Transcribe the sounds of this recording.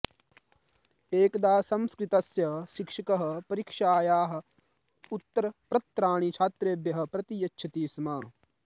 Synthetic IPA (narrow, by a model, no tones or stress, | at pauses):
eːkd̪aːsɐmskɾɪt̪ɐsjɐʃikʂɐkɐɦɐ̆pɐɾikʂaːjaːɦɐ̆ | ut̪ːɐɾɐpɾɐt̪ːɾaːɳ̃it͡ʃʰaːt̪ɾeːbjɐɦɐ̆pɾɐt̪ijɐtːʃʰɐt̪iːsɐmaː